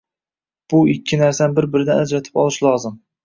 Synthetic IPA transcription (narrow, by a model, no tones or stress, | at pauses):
b̥ʊɪkʲʰːɪnaɾsanbɪɾbɪɾɪd̪anad͡ʒɾat̪ʰɪ̥pɒlˠɪʃlˠɒzɪm